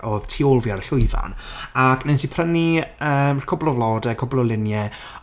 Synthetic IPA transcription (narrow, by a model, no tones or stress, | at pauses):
oːð̥tʰiːolˠviaɾəɬʊɨva̰nakʰnensipʰrəniəːmkʰɔblˠɔvlˠɔːdɛkʰɔblˠɔlˠɪnjɛ